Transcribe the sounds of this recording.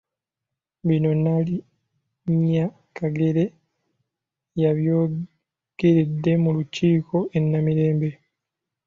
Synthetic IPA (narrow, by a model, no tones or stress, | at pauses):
βino̞nali | ɲa | kaɡe̞ɾe̞ | jaβjoː | ɡ̥e̞ɾe̞dːe̞muluciːkʰo̞ʔe̞nːamiɾe̞ːmbe